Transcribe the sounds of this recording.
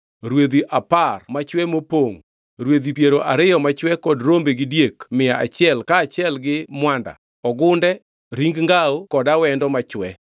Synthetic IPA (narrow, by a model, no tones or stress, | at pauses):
ɾwed̪iʔaparmat͡ʃwɛmopoŋ | ɾwed̪ipjeɾoʔaɾɪjɔmat͡ʃwɛkɔdɾombeɡɪdjekmɪjaʔat͡ʃɪɛlkaːt͡ʃɪɛlɡɪmwanda̰ | ɔɡʊndɛ | ɾiŋɡŋɡaokɔdawɛndɔmat͡ʃwɛ